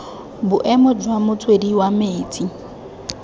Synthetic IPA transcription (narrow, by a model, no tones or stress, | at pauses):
bʊʔɛmʊd͡ʒwamʊt͡sʰwediwameːt͡sʼi